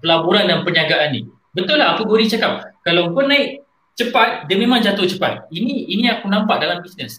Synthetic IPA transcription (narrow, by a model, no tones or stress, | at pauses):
pəlabuɾandanpəɲaɡaʔanːḭ | bət̪ʊlaɦakuɡoɾit͡ʃakap̚kalapʊnːaiʔ | t͡ʃəpat̪̚damẽmaŋd͡ʒat̪ʊht͡ʃəpa̰t̪̚inĩːniakunampaʔ̚dalambisnəs